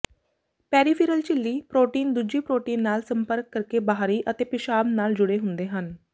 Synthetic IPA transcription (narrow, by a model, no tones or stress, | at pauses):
pɛːɾiːpʰiːɾəlt͡ʃɪlːiːpɾoːʈiːnd̪ud͡ʒiːpɾoːʈiːnːaːlsəmpəɾkːəɾkeːbaːɦɾiːʔət̪eːpɪʃaːbnaːld͡ʒʊɽeːɦʊnd̪eːɦən